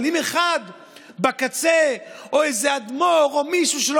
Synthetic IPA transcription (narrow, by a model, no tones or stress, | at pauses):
limeχad̪ | bakat͡seoejzead̪moʁomiʃuʃel